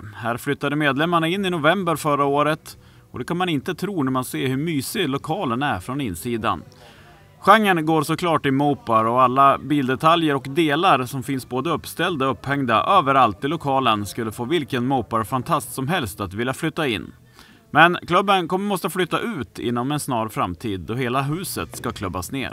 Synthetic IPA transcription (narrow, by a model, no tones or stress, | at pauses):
hæːɾflʏt̪ːad̪əmeːd̪lɛmːaɳaɪnːɪnʊvɛmbəɾfœɾaoːɾət̪ | ɔd̪ɛkʰanmanɪnt̪ət̪ʰɾuːnæɾmanseːhɵmyːsɪlʊkʰɑːlənæɾfɾɔnɪnːsiːd̪a̰n | ɧaŋːənɡoːɾsɔkʰlɑːʈːɪlmuːpaɾɔalːabiːld̪ɛt̪ʰaljəɾɔkd̪eːlaɾsɔmfɪnsboːd̪əɵpːst̪ɛld̪aɔɵphɛŋd̪a̰ʔøːvəɾalt̪ʰːɪlːʊkʰɑːlənskɵlːəfoːvɪlkənmɔːpaɾfant̪ʰast̪sɔmɦɛlst̪at̪vɪljaflʏt̪ːaɪ̰nː | mɛnkʰlɵbːənkʰɔmːəmɔst̪əflʏt̪ːaʔʉ̟ːt̪ʰɪ̰nːɔmɛnsnɑːɾfɾamt̪ʰiːd̪ːɔɦeːlaɦʉ̟ːsə̰t̪skakʰlɵbːa̰snḛːɾ